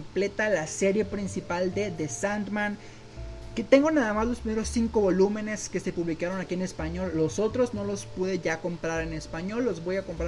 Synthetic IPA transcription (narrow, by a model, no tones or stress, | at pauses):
mple̞t̪alase̞ɾje̞pɾinsipald̪e̞ðesand̪mãn | ket̪e̞ŋɡo̞naðamazlo̞spɾime̞ɾosːiŋko̞βo̞lume̞ne̞ske̞se̞puβlikaɾo̞nakiene̞spaɲo̞lːo̞so̞t̪ɾo̞zno̞lo̞spuðe̞ʝako̞mpɾaɾe̞ne̞spaɲo̞lːo̞zβo̞jako̞mpɾa